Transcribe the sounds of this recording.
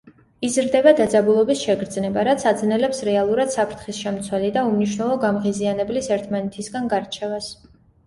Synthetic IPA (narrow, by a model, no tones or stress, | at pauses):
izɾd̪ɛbad̪ad̪zabulˠɔbisʃɛɡɾd̪znɛbaɾat̪sʰad̪znɛlɛpsɾɛalˠuɾad̪̥sapʰɾt̪ʰχisʃɛmt̪sʰwɛlid̪aumniʃ̬nɛlˠɔɡamʁizianɛblisɛɾt̪ʰmanɛt̪ʰisɡanɡaɾt͡ʃʰɛvas